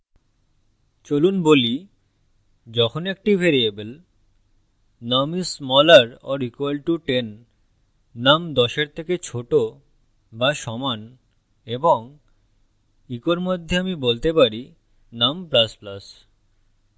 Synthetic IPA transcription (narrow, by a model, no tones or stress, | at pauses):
t͡ɕolunboli | d͡ʑɔkʰonek̚ʈibʱeɾiebel | namismɔlaɾɔ̰ɾikoalʈuʈenː | amd̪ɔʃeɾt̪ʰeket͡ɕʰoʈo | baʃɔman | eboŋ | ikoɾmod̪ʱːeamibolt̪epaɾi | namplasplas